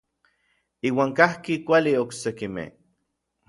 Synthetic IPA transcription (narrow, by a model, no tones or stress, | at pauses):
iːwaːŋkahkikʷalioksekimḛh